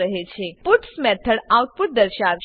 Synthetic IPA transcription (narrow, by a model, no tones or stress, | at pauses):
əɦet͡ʃʰeput̪smɛt̪ʰəɽawt̪̚puɾ̚d̪əɾʃaɾ